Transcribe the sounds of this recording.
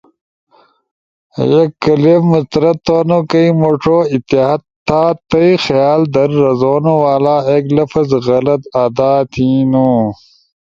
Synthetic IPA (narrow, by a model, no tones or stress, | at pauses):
jekːɐlefmust̪ɐɾɐt̪ːoːnokɐimoʈʰoːit̪iɦɐt̪ʰːaːt̪ɐixjaːld̪ɐɾːɐzoːnowaːlaːeːklɐfɐzɣɐlɐt̪aːd̪aːt̪ʰiːnuː